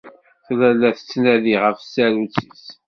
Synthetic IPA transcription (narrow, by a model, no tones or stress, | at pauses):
θlælːæθə̥t͡sːnæðiʁəfsæɾut͡sis